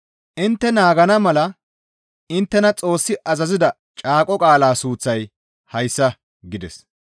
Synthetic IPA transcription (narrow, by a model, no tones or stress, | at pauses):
ʔɪnt̪ːɛnaːɡɐnɐmɐlɐ | ɪnt̪ːɛnɐt͡sʼo̞ːsːɪʔɐzɐzɪd̪ɐ | t͡ʃʼaːkʼɔkʼaːlaːsuːt͡sːɐj | hɐjsːɐ | ɡɪd̪ɛs